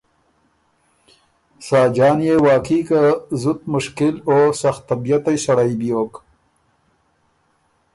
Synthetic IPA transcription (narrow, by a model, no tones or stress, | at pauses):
sɑːd͡ʒɑːnjewɑːkiːkazʊt̪̚mʊʃkɪloːsaxt̪ːabijat̪ajsɐɽajbijoːk